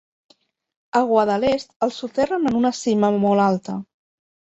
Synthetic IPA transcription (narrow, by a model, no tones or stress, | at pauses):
əɣwaðəlest̪əlˠsut̪ɛrənənunəsiməmɔlalˠt̪ə